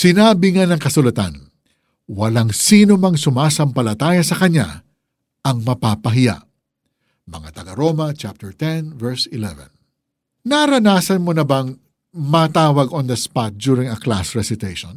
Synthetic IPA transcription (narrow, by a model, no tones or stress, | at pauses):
sɪnaːbɪŋanɐŋkɐsʊlɐt̪a̰n | wɐlaŋsiːnomɐŋsʊmaːsɐmpɐlɐt̪aːjɐsɐkɐɲa̰ | ʔɐŋmɐpaːpɐɦɪja̰ʔ | mɐ̰ŋa̰t̪ɐɡɐɾoːmɐt͡ʃap̚t̪ɛɹt̪ɛnvɛɹsɪlɛvɛ̰̃n | nɐɾɐnaːsɐnmonɐbɐŋ | mɐt̪aːwɐɡond̪ɐspat̪̚d͡ʒuɾɪŋɐkla̰sɹɛsɪt̪ejʃɔ̰̃n